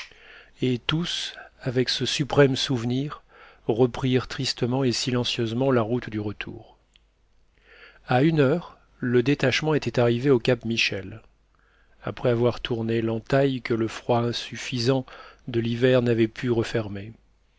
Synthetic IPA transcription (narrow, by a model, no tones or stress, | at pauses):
et̪usavɛksəsypχɛmsuvniʁʁəpχiʁt̪χist̪əmɑ̃esilɑ̃sjøzmɑ̃laʁut̪d̪yʁət̪ʰṵːʁ | aynœʁ | ləd̪et̪aʃmɑ̃et̪ɛt̪aʁiveokʲapmiʃɛl | a̰pχɛavwaʁt̪ʰuʁnelɑ̃t̪ajkələfχwaɛ̃syfizɑ̃d̪əlivɛʁnavɛpʰyʁəfɛʁme